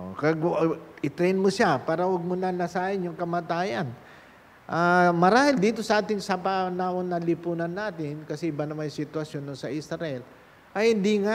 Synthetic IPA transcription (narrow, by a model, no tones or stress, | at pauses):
ʔokɐɡʔɪt̪ɾɛjnmoʃapaːɾɐwɐɡ̚monɐnɐsaːhɪnjʊŋkɐmaːt̪aːjɐn | ʔamɐɾaːhɪld̪iːt̪o̞sɐʔaːt̪ɪŋsɐpanaːwonːɐlɪpuːnɐnːaːt̪ɪnkɐsɛʔɪbanɐmajsɪt̪wɐsjo̞nːoŋsɐʔisɾɐʔɛl | ʔɐjhɪnd̪iŋa